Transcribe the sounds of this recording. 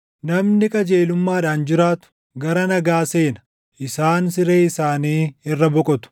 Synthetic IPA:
nɐmnɪkʼɐd͡ʒe̞ːlʊmːaːᶑaːnd͡ʒɪɾaːt̪ʊ̥ | ɡɐɾɐnɐɡaːse̞ːnɐ̥ | ʔɪsaːnsɪɾe̞ːɪsaːniːɪrːɐbɔkʼɔt̪ʊ̥

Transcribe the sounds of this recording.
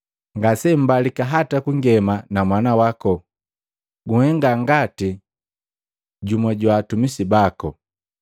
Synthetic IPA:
ŋɡasɛm̩balikaɦatakuŋɡɛmanamwanawakɔ | ɡuhɛŋɡaŋɡati | ɟumɔɟwaːtumisibakɔ

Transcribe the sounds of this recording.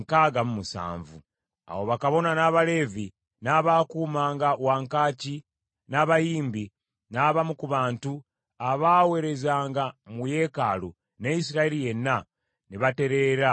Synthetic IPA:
ŋkaɡamumusa̰ːɱvṵ | a̰wo̞βakaβo̞nanaːβale̞ːvi | naβakuːmaːŋɡawaːŋkaːci | naβajiːmbi | naβamukuβaːntu | aβaːwe̞ɾe̞zaːŋɡamuje̞ːkalu | neisiɾaeɾije̞nːa | niβate̞ɾe̞ɾa

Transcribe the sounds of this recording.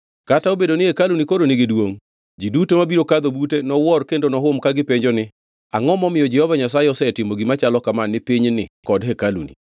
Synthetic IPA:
kataobedonɪhekalunikoɾonɪɡɪdwoŋ | d͡ʒidutomabiɾokad̪obutenɔwɔrkendonɔɦʊmkaɡɪpeɲd͡ʒɔnɪ | aŋɔmɔmɪjɔd͡ʒɛhɔvaɲasaɪɔsɛtɪmoɡimat͡ʃalɔkamanːɪpiɲnɪ̰kɔdɦekalṵnḭ

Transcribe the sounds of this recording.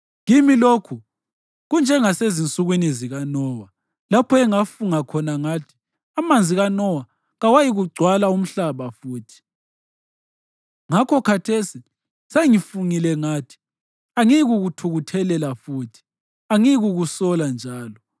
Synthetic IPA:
ŋimilokʰu | ɣund͡ʒʱɛŋasezint͡sʼuɣwiniziɣanɔwa | lapʰɔɛŋafuŋakʰɔnaŋatʰi̥ | amand͡zʱiɣanɔwa | ɣawajiɣuɡ͡ǀʱwalaum̩ɬaβafuːtʰi̥ | ŋakʰɔkʰatʰesi | seŋifuŋilɛŋaːtʰi̥ | aŋiɣuɣutʰuɣutʰɛlɛlafuːtʰi̥ | aŋiɣuɣusɔland͡ʒʱaːlɔ

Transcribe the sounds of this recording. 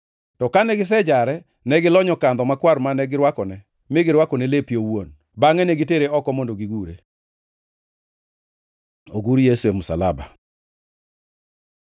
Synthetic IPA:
tɔkanɛɡɪs̬ɛd͡ʒaɾɛ | nɛɡɪlɔɲɔkand̪ɔmakwaɾmanɛɡɪɾwakɔnɛ | mɪɡɪɾwakɔnɛlepjowon | baŋɛnɛɡiteɾeɔkɔmondoɡiɡuɾe | oɡuɾjesuɛmʊsalaba̰

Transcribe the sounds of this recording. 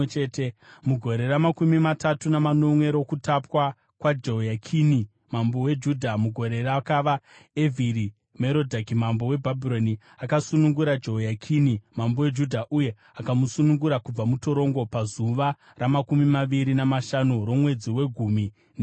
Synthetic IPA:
t͡ʃeːtemuɡʱo̞ɾe̞ɾamakumimatatunamano̞mwe̞ɾo̞kutapwa | kwad͡ʒojakʰini | mambo̞we̞d͡ʒudʱamuɡʱo̞ɾe̞rakaʋaeviɾi | meɾo̞dʱakimambo̞we̞bʱabʱiɾo̞ni | akasunuŋɡuɾad͡ʒojakʰinimambowe̞d͡ʒudʱaʔuje̞ | akamusunuŋɡuɾakub͡vamuto̞ɾo̞ŋɡo̞pazuʋa | ramakumimaʋiɾinamaʃanuɾo̞mwe̞d͡ziwe̞ɡʱuːmi | n

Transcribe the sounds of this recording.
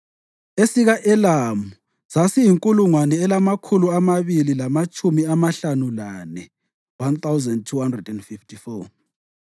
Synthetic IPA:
esiɣaʔɛlamu | z̥asijiŋkʼuluŋwanɛːlamakʰuluamaβililamat͡ʃʼumiamaɬanulanɛ | want̪ʰawzɛnd̚tʰuhandrɛdɛndfiftʰifɔ

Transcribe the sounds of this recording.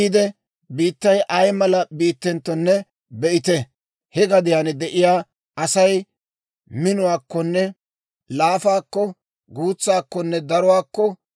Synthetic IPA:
iːd̪ɛ | biːt̪ːɐjʔɐjmɐlɐbiːt̪ːɛnt̪ːɔnːɛ | bɛʔɪt̪ɛ | hɛɡɐd̪ɪjaːnɛd̪ɛʔɪjaː | ɐsɐj | mɪnʊwaːkːɔnːɛ | laːfaːkːɔ | ɡuːt͡sːaːkːɔnːɛd̪ɐɾʊwaːkːɔ

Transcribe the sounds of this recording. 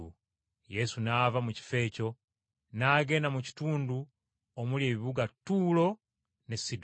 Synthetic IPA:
je̞sunaːvamuci̥fe̞ːco̞ | naːɡe̞namuci̥tuːndu | omulje̞ːβiβuɡatuːlo̞ | nesid

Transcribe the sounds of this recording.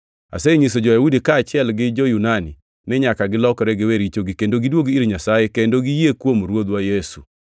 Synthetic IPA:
a̰seɲis̬od͡ʒojawudikaːt͡ʃɪɛlɡɪd͡ʒojunani | nɛɲakaɡɪlɔkɔɾɛɡɪweɾit͡ʃoɡikendoɡidwoɡiɾiɲasajekendoɡijekwomɾwod̪wajesu

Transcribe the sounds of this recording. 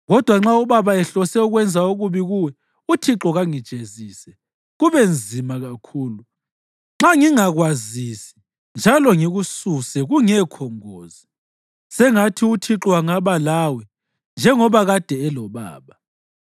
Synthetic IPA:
ɣɔd̥ʱwaŋ͡ǁauβaβaɛɬɔsɛuɣwɛnd͡zʱauɣuβiɣuwɛ | utʰiǁɔɣaŋid̥ʒ̥ʱeziːsɛ | ɣuβend͡zʱimaɣakʰuːlu | ŋ͡ǁaŋiŋaɣwazisi̥ | nd͡ʒʱalɔŋiɣususɛɣuŋɛkʰɔŋoːzi | sɛŋatʰiutʰiǁɔwaŋaβalawɛ | nd͡ʒʱɛŋɔβaɣad̥ʱɛːlɔβa̰ːβa

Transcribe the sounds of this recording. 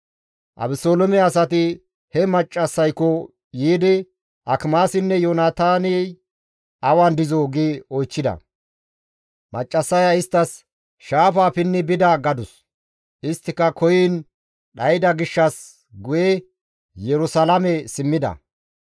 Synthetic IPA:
ʔɐ̰bɪsoːlɔmɛɐsɐt̪ɪ | hɛmɐt͡ʃʼːɐsːɐjkɔ | jiːd̪ɪ | ʔɐkmaːsɪnːɛjonaːt̪aːni | ʔɐwand̪ɪzoːɡiɔjt͡ʃːɪd̪ɐ̰ | mɐt͡ʃʼːɐsːɐjaɪst̪ːɐs | ʃaːfaːpɪnːɪbɪd̪ɐɡɐd̪ʊs | ʔɪst̪ːɪkːɐkʰɔjiːn | ɗɐjɪd̪ɐɡɪʃːɐs | ɡʊjɛ | jɛɾʊsɐlɐmɛsɪmːɪd̪ɐ̰

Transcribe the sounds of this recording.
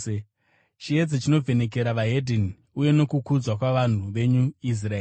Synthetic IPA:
t͡ʃie̞d͡zet͡ʃino̞vʱe̞ne̞k̬e̞ɾaʋaɦedʱini | uje̞no̞kukud͡zwakwaʋan̤uʋe̞ɲuis̬raeːi

